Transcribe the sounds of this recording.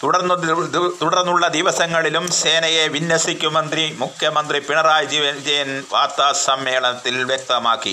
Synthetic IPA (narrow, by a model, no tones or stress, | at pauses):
t̪uɽɐrnːut̪uɽɐrnːuɭːɐd̪iʋɐsɐŋːɐɭilumseːnɐjeʋinjɐsikʲːumɐnd̪rimukʰjɐmɐnd̪ripiɳɐɾaːjd͡ʑiʋɐnd͡ʑɐjɐnʋaːt̪ːaːsɐmːeːɭɐt̪ːilʋjek̚t̪ɐmaːkːi